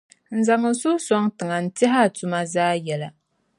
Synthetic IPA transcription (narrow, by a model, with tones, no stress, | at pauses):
n̩˨za˨ŋɨ˨sʊ˦sɔ˦ŋtɨ˨ŋa˨n̩˨tɛ˦ɦa˦˨tʊ˨ma˦zaː˦jɛ˨la˨